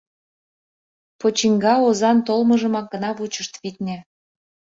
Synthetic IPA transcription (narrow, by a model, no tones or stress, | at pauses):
pot͡ɕiŋɡɑozɑnt̪olməʒə̆mɑk̚ɡə̆nɑβut͡ɕəʃt̪βit̪nʲĕ